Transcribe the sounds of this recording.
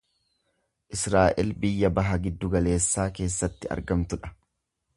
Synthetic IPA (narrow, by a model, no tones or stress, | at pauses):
ʔɪsɾaːʔɛlbɪjːɐbɐɦɐɡɪd̪ːʊɡɐle̞ːsːaːke̞ːsːɐt̪ːɪɐ̰ɾɡɐmt̪ʊᶑɐ̥